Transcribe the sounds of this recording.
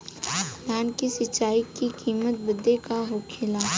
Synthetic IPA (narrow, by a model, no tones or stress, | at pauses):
d̪aːnkisɪt͡ʃːaːikikʰiːmət̪̚bəd̪ːekaɦokʰɪlaː